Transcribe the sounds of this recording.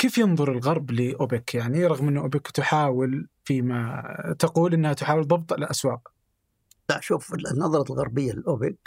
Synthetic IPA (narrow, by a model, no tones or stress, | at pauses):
keːfjɨnðˤʊɾˤɪlɣɑɾˤblɪʔʊbɪkjaʕniɾˤɑɣmʔɪnːʊʔʊbɪkt̪ʊħaːwɪlfimat̪aquːlʔɪnːhat̪ʊħaːwɪlðˤɑbt̪ˤʔalalʔaswaːq | laʃuːfnːɑðˤɑɾˤɑlɣɑ̰ɾˤbɪjːalɪlʔʊbɪk̚